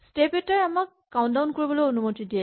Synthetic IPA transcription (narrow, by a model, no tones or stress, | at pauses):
stepɛtaɹamakːawndaʊnkoɹibɔlojonumotidiɛ